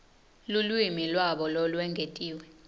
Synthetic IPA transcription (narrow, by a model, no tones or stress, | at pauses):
lulwimilwaɓɔlɔlwɛŋɡʱetʼiːwɛ